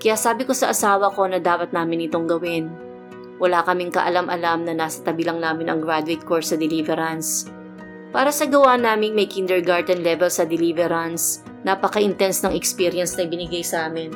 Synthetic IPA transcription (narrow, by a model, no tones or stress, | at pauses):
kɐjaːʔsaːbɪko̞sɐʔɐsaːwɐko̞nɐd̪aːpɐt̪̚naːmɪnɪt̪o̞ŋɡɐwɪn | wɐlaːkɐmɪŋkɐ̰ʔɐlamʔɐ̰lamnɐnaːsɐ̥t̪ɐbɪlɐŋnaːmɪnɐ̰ŋɡɹad̪ʊet̪̚koɹsɐd̪ɛlivɛɾɐns | paːɾɐsɐɡɐwanaːmɪŋmɐjkind̪ɛɹɡaɹd̪ɛnlɛvɛlsɐd̪ɛlivɛɾɐns | nɐpɐkɐʔɪnt̪ɛnsnɐŋɛkspiɾjɐnsnɐjbɪnɪɡajsɐʔaːmɪn